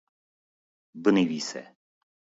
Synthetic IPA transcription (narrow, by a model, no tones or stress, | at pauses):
bənivisɛ̰